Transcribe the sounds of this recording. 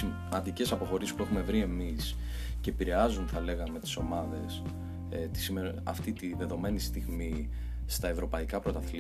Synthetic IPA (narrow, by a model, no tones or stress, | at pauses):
mɐnd̪ice̞sɐpo̞xo̞ɾisspue̞xume̞vɾie̞mis | ce̞ːpiɾe̞ɐzunθɐle̞ɣɐme̞t̪i̥so̞mɐðe̞s | t̪i̥simeɾ | ɐ̰ft̪it̪iðe̞ðo̞me̞nist̪iɣmi | st̪ɐevɾo̞pɐikɐpɾo̞t̪ɐθl